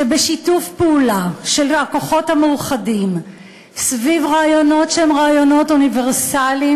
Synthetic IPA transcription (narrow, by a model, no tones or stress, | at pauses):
ebeʃitufpeulaʃelakoχo̞thameuχadim | svivʁaːjo̞no̞tʃeemʁaːjo̞no̞tuniveʁsali